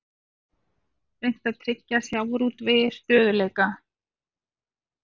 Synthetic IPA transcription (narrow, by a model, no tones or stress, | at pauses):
ɾejŋ̥t̪aðt̪ʰɾɪcːasjawɾuːt̪vɪst̪œːðʏleːjka